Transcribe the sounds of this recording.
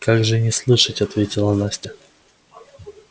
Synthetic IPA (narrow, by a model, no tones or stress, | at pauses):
kaɡʐɨnʲɪslˠɨʂətʲɐt̪vʲetʲɪlˠɐnasʲtʲɪ